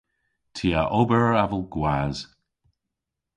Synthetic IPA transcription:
tʰiaʔobəɹavəlˠɡwaz̥

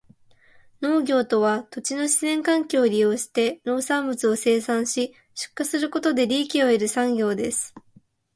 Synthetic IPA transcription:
no̞ːɡʲo̞ːt̪o̞β̞at̪o̞t͡ɕino̞ɕizẽ̞ŋkãŋkʲoːɾʲijo̞ːɕi̥t̪e̞no̞ːsãmbɯt͡sɨo̞se̞ːsãɰ̃ɕi | ɕɨ̥kːasɨɾɯ̟ko̞t̪o̞d̪e̞ɾʲiːkʲio̞eɾɯ̟sãŋɡʲo̞ːd̪e̞sɨ̥

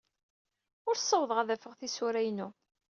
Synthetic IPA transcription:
ʊɾsˤːɑwðˤʁaðæfəʁθisuɾæjnu

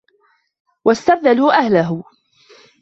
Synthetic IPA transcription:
wʔast̪ab̚ðaluːʔahlaɦ

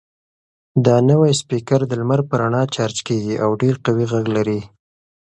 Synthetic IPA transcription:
d̪ɑnəwajspikaɾd̪əlmaɾpəɾaɳɑt͡ʃaɾt͡ʃkeɡiʔawɖeɾqawiɣaɡlaɾi

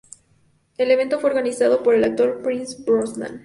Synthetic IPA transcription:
e̞le̞βe̞nt̪o̞fwe̞oɾɣanisaðo̞po̞ɾe̞lak̚t̪o̞ɾpɾinsbɾosmã̰n

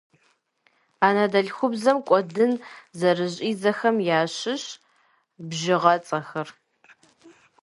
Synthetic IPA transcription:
aːnadɐɮxʷʊbzɐmkʷʼɔdɨnzɐrɨʑʼiːzɐxɐmjaːɕɪɕ | bʒɪʁɐt͡sʼɐxɐr

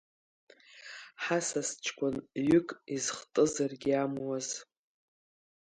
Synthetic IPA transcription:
ħasast͡ʃʰkʷʰʼʊnɥʏkʼizχtʼɨzarɡʲiamwaz̥

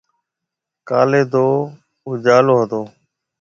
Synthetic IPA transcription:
ka̰ːleːd̪oː | ud͡ʒaːloːɦəd̪oː

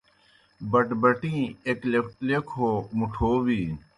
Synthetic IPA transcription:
bɐʈbɐʈĩːeklekʰoːmuʈʰoːʋiː

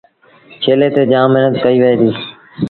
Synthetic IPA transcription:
t͡ʃʰeːleːt̪eːd͡ʒãːmːɪɦnət̪kəiːʋəẽːd̪iː

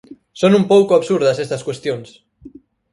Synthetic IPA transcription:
sonumpowkoaβsuɾðasest̪ɐskwest̪jons

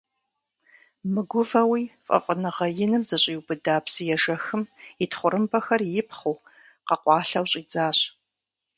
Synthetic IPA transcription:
mɨɡʷʊvɐwiːfʼɐ̰fʼənɨʁɐjɪnɨmzɐɕʼiːwbɨdaːpsɨjɛʒɐxɨmɪtχʷʊɾʔɨmpʰɐxɐrjɪpχuː | qɐqʷʼɑːɬɐwɕʼiːd͡zaːɕ

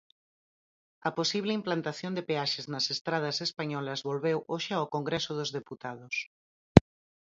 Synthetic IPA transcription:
ɐposiβ̞lɪimplant̪aθjond̪epeaʃeznɐsest̪ɾað̞ɐsespaɲɔlɐzβolβewʔoʃɪaokoŋɡɾesʊðʊzðeput̪aðʊs

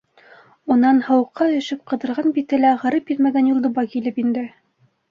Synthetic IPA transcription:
unɑnhɤ̆wɤ̆qːɑɵ̆jɵ̆ʃɘp̚qɤ̆ðɤ̆ɾʁɑnbit̪ɘlæʁɤ̆ɾɤpjiɾmæɡænjulˠd̪ɤ̆βɑkilɘpind̪ɘ

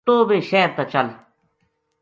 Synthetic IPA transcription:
t̪oːbeːʃɛːɾt̪ɐt͡ɕɐl

